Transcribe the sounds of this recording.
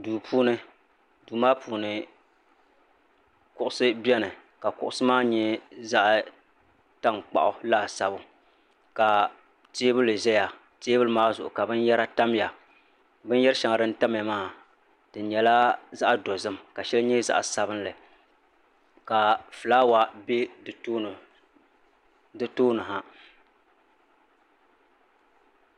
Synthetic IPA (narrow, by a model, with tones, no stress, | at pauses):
duː˨pʰuː˦nɨ˦ | duː˨maː˦pʰuː˨nɨ˨ | kʊ˦ʔʊ˨sɨ˦bɛ˦nɨ˨ | ka˨kʊ̰˨ʔʊ˦sɨ˦maː˦˨ɲɛ˦za˦ʔ | ta˦ŋk͡pa̰˨ʔʊ˨laː˦˨sa˨bʊ˦ | ka˨ | teː˦bɨ˦lɨ˨ʒɛ˦ja˨ | teː˦bɨ˦lɨ˦maː˦zʊ̰˨ʔʊ˨ka˨bɨ˦njɛ˦ɾa˦ta˦mja˨ | bɨ˦njɛ˦ɾʃa˨ŋ˨dɨ˦n̩˦ta˦m˦ja˨maː˦˨ | d̥ɨ˨ɲɛ˨la˦za˦ʔdo˨zɨ˦mka˨ʃɛ˦lɨ˦ɲɛ˦za̰˦ʔa˨sa˨bɨ˦n˦lɨ˨ | ka˨fɨ˨laː˦wa˨be˦˨˦ | dɨ˦toː˦nɨ˨ɦa˨